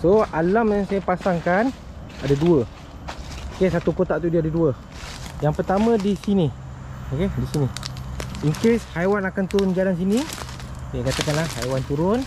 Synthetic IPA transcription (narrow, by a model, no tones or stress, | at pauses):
soalamjaŋsajapasaŋkan | adaduə | okesat̪ukot̪aʔt̪udiəadaduə | jaŋpərt̪amə̃disini | okedisini | iŋkeshajwanakant̪uɾʊnd͡ʒalans̬ini | sajakat̪əkanlahajwant̪uɾʊn